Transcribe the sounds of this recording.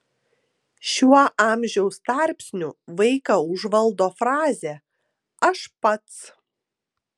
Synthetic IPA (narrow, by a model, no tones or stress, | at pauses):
ʃʲuɔʔɑːmʲʒʲɛʊst̪ɑɾʲpʲsʲnʲʊʋɐɪkɐʊʒʋɐlˠd̪oːfɾɑːzʲe | ɐʃpɐt̪s